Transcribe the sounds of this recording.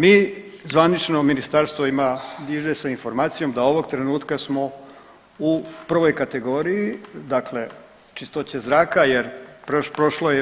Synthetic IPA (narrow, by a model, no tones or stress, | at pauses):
miː | zʋanit͡ʃno̞minist̪aːɾst̪ʋoimad̪iʒesainfo̞ɾmaːt̪sijo̞md̪ao̞ʋo̞ɡt̪ɾe̞nuːt̪kasmo̞ | upr̩ʋo̞jkat̪e̞ɡo̞ːɾijid̪akle̞ | t͡ʃist̪o̞t͡ɕe̞zɾaːkajeɾppɾoʃloje